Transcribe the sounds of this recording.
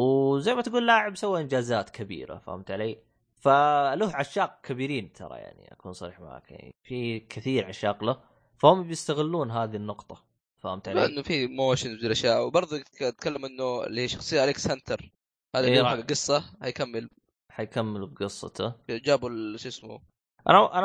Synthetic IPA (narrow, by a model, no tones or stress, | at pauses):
wzajmat̪ɡuːllaːʕɪbsawːiʔɪnd͡ʒaːzaːt̪kʰabḭːɾa̰fa̰ːhɪmt̪ʕaleː | faluːhʕaʃːɑːq̚kʰabiːɾiːnt̪ʰɑ̰ɾˤɑ̰ja̰ʕnḭʔa̰kuːnsˤɑɾḭːħmaʕa̰ːkja̰ʕnḭfikʰɪθiːɾʕaʃːɑːqla | fahʊmbjɪst̪aɣɪlːuːnɦaːðinːʊqt̪ˤɑ | faːhʊmt̪ʕalaʔɪnːʊfimoːʃɪnwilʔaʃjaːʔwbɑɾˤðˤt̪kalːamʔɪnːʊɪ̰lːihiːʃɑ̥xsˤɨjːaʔlɪksant̪ʰɑɾˤ | haːd̪iaɡɡɨsˤːɑhajkamːɪl | ħajkamːɪlbɡɨsˤːɑ̰t̪ʰʊd͡ʒaːbulʃɪsmṵ | ʔa̰naʔan